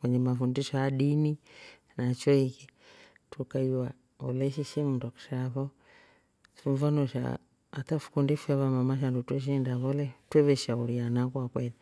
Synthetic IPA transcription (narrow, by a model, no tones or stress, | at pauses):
kwɛɲɛmafundiʃɔjaɗini | nat͡ʃɔiki | tʰukaiwa | ɔlɛʃiʃimundaku̥ʃaβɔ | sɱfanɔʃa̰ː | tafu̥kundifɛβamamaʃ̬andutwɛʃ̬ndaβɔlɛtwɛβɛʃauɾianakwakwɛli